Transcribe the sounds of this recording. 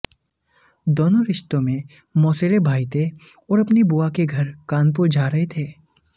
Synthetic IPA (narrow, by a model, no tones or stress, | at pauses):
d̪oːnoɾɪʃt̪õmẽ | mɔːseɾebʱaːit̪ʰe | ɔːɾɐpnibuːakeɡʱɐɾkaːnp̬ʊɾd͡ʒʱaːɾɐɦet̪ʰeː